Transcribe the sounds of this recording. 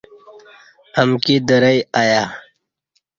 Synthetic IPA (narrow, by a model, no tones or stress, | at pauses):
əmkid̪əɾəjaja